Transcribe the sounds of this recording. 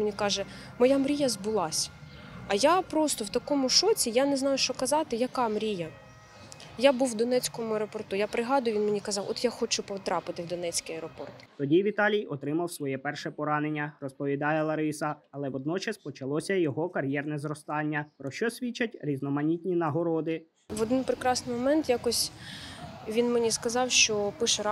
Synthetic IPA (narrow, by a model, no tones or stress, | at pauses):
menʲikɑʒɛ | mɔjamɾʲijɐzbʊlˠɑsʲ | ɐjapɾɔst̪ɔwt̪ɐkɔmʊʃɔt͡sʲijaneznɑjʊʃt͡ʃɔkɐzɑt̪ɪjɐkɑmɾʲijɐ | jabuwːd̪ɔnɛt͡sʲkɔmʊɛɾɔpɔrt̪ujapɾɪɦɑd̪ʊjʊʋʲinmenʲikɐzɑwʔɔt̪jaxɔt͡ʃʊpɔt̪ɾɑpɪt̪ɪwd̪ɔnɛt͡sʲkijɐɾɔpɔrt̪t̪ɔdʲiʋʲit̪ɑlʲijɔt̪ɾɪmɐwsʋɔjɛpɛrʃɛpɔɾɑnenʲːɐrɔspɔʋʲid̪ɑjɛlˠɐɾɪsɐɐlˠɛʋɔd̪̚nɔt͡ʃɐspɔt͡ʃɐlˠɔsʲɐjɔɦɔkɐɾʲjɛrnɛzɾɔst̪ɑnʲːɐpɾɔʃt͡ʃɔsʲʋʲit͡ʃːɐtʲɾʲiznɔmɐnʲit̪ʲnʲinɐɦɔɾɔd̪ɪ | ʋɔd̪ɪnpɾɪkɾɑsnɪjmɔmɛnt̪jakɔsʲ | ʋʲinmenʲiskɐzɑwʃt͡ʃɔpɪʃɛɾ